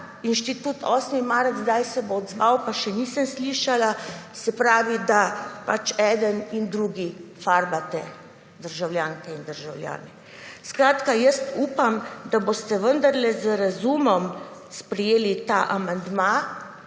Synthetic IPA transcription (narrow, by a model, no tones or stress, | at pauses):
inʃt̪it̪uːt̪ɔsmimaɾd̪zd̪ajsɛboːd̪zʋawpaʃɛniːsəmsliʃalasɛpɾaːʋid̪apat͡ʃɛːd̪ənind̪ɾuːɡifaɾbat̪ɛ | d̪əɾʒawljaːŋkɛind̪əɾʒawlja̰ːnɛ | skɾaːt̪kajəst̪uːpamd̪abost̪ɛʋənd̪aɾlɛzəɾazuːmɔmspɾɛjeːlit̪aʔamand̪ma